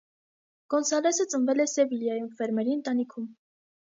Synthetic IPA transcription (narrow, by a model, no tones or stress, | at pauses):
ɡ̥ɔnsɑlɛsət͡sʼənvɛlɛsɛviljɑjumfɛɾmɛɾiənt̪ɑnikʰum